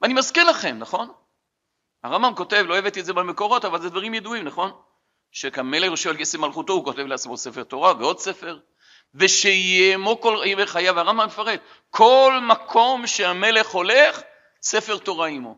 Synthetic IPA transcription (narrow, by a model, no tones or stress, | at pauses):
veanimazkinlaχe̞mnaχo̞n | aʁambamko̞te̞vloevet̪etzebame̞ko̞ʁo̞tavalzed̪vaʁimjeduimnaχo̞n | ʃekame̞leχoʃevalkesemalχuto̞uko̞te̞vleat͡smo̞sefe̞ʁto̞ʁaveo̞d̪se̞fe̞ʁ | ve̞ʃeijemo̞koliveχajaveaʁambamːefaʁe̞d̪ | kʰo̞lmakʰo̞mʃeame̞le̞χo̞le̞χ | se̞feʁto̞ʁaimo̞̰